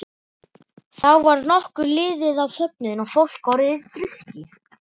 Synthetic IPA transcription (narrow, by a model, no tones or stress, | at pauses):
θawvaɾnɔhkʏlɪːðɪðawsœp̚nʏðɪnɔɣfowl̥kvɔwɾɪðt̪ɾʏhcɪθ